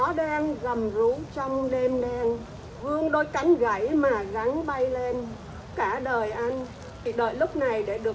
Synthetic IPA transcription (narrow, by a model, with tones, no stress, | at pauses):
ɔ˨˦ɗɛː˧nza˨˩mzu˨˦t͡ɕɔ˧wŋ͡mɗe˧mɗɛ˧n | vɨ˧əŋɗo˧jka˨˦ŋ̟ɣa˧˩jmaː˨˩ɣa˨˦ŋɓa˧jle˧n | kaː˧˩ɗəː˨˩jʔa˧n˨˩ | ɗəː˨˩jlʊ˦˥k͡p̚na˨˩jɗe˧˩ɗɨ˨˩ə